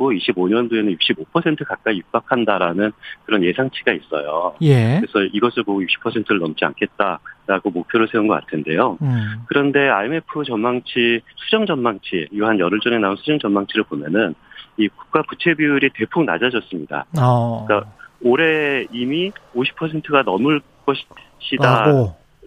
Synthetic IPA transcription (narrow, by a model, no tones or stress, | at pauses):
kɡoiɕʰiboɲʌndoe̞nɯnjuk̚ɕ͈ibopʰʌsʰe̞ntʰɯkak̚k͈aijuk̚p͈ak̚ʰandaɾanɯnkɯɾʌnje̞sʰaŋt͡ɕʰiɡais͈ʌ̰jo̰eɾesʰʌʔiɡʌsʰɯɭboɡujuk̚ɕ͈ʰi̥pʰʌsʰentʰɯɾɯɭnʌmt͡ɕ͈ia̰nkʰe̞t̚t͈aɾaɡomok̚pʰjoɾɯɭsʰe̞unɡʌk͈a̰tʰɯnde̞jokɯɾʌnde̞a̰ime̞pʰɯt͡ɕʌnmaŋt͡ɕʰisʰud͡ʑʌŋd͡ʑʌnmaŋt͡ɕʰiiɡoɦanjʌɾɯɭt͡ɕ͈ʌŋe̞naunsʰud͡ʑʌŋd͡ʑʌnmaŋt͡ɕʰiɾɯɭbomjʌnɯniku̥k̚k͈aput͡ɕʰe̞biuɾite̞pʰuŋna̰d͡ʑad͡ʑʌs͈ɯmɲida̰k͈aoɾe̞imioɕʰi̥pʰʌsʰe̞ntʰɯɡanʌmɯɭ | k͈ʌɕʰi̥ɕʰida